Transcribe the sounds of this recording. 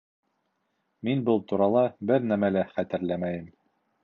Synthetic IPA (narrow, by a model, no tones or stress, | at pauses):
minbɤlˠt̪uɾɑlˠɑbɘɾnæmælæχæt̪ɘ̆ɾlæmæjɘm